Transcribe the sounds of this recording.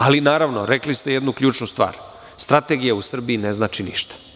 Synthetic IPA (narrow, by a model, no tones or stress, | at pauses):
alinaːɾaʋnoɾeklist̪e̞jed̪nukʎuːt͡ʃnust̪ʋa̰ːɾ | st̪ɾat̪e̞ɡijausr̩biineznaːt͡ʃiniʃt̪ḁ